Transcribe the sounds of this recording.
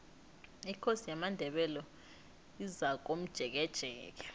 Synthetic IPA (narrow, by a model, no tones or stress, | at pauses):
ikʰosijamandʱɛɓɛlɔ | izak̬om̩d̥ʒ̥ʱɛk̬ɛd̥ʒ̥ʱɛ̰ːk̬ɛ